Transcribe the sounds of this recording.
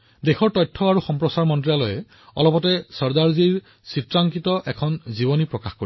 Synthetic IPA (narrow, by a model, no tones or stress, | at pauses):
dexɔɹtɔjtʰːɔaɹuxɔmpɹɔsaɹmɔntɹijalɔjɛ | ɔ̰lɔpɔtɛsɔɹdaɹziɹ | sitɹaŋkitɔʔɛkʰɔnzibɔnipɹɔkaxkoɹi